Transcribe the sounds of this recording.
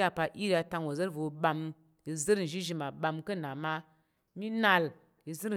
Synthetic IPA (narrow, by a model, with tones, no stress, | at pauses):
a˧pa˧ʔi˦ɾa˧ta˧ŋwo˨zə˦ɾvo˨ɓa˧m | ji˧zə˦ɾn̩˨ʒi˦ʒi˨˦ma˨ɓa˧mkə˦˨na˨ma˦ | mi˦na˧l | ji˧zə˦ɾ